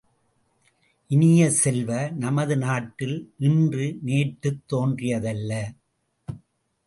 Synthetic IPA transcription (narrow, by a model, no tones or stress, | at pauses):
ʔɪnɪjɐsɛlʋɐnɐmɐðɯnaːʈːɪlnɪndrɯneːʈːɯt̪ːoːndrɪjɐðɐlːɐ